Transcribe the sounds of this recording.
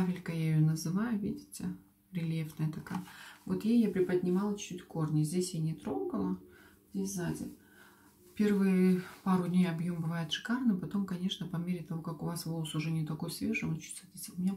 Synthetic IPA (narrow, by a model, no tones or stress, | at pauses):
t̪afʲɪlʲkəjaɪjonəzɨvajʊvʲidʲɪtʲɪ | ɾʲɪlʲjefnəjət̪ɐkajvot̪jejjapɾʲɪpəd̪ʲnʲɪmɑlˠət͡ɕt͡ɕːutʲfko̞rnʲɪzʲdʲesʲjanʲɪt̪ɾo̞ɡəlˠə | zʲdʲesʲzadʲɪ | fpʲe̞rvɨjəpaɾʊdʲnʲejɐbjombɨvajʊt̪ʂɨ̥karnɨpɐt̪o̞mkɐnʲe̞ʂnəpɐmʲeɾʲɪt̪ɐvo̞kakʊvasvo̞lˠəsʊʐɛnʲɪt̪ɐko̞jsvʲe̞ʐɨmot͡ɕu̥st̪vt̪ʲtʲɪʊmʲɪnʲa